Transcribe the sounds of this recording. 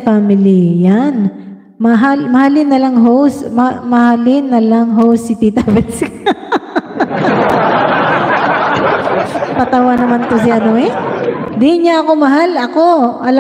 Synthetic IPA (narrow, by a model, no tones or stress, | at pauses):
famɪlɪjan | mɐɦalmɐhalɪnɐlaŋɦowsmmɐhalɪnːɐlaŋɦowsːɪt̪it̪avɛsk | pɐt̪ɐwanɐmant̪osɪʔɐnoɛd̪ɪɲaʔɐkomɐɦalɐko̞ʔɐlɐ